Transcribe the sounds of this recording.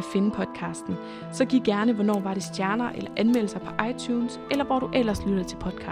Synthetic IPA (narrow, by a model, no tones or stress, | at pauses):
æfe̝nəpʰɒ̽d̥ˠkʰɑ̈ːsd̥n̩ | sɒ̽ɡ̥iɡɡ̥æɐnəʋɒnɒ̰ːʋɑ̈ɾe̝sd̥jæɐnɐʔelɐʔænmel̰əsɑ̈ɪpʰɒ̽ʔɑ̈ɪt͡sʰjuːnsʔelɐʋɒ̰ːɾ̥uʔel̰ɐslyɾ̥ð̩ˠt͡sʰe̝lpʰɒ̽d̥kʰɑ̰ː